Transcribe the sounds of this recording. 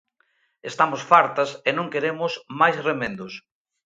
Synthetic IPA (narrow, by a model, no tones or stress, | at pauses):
est̪amʊsfaɾt̪ɐsenõŋkeɾemʊsmajsremẽnd̪ʊs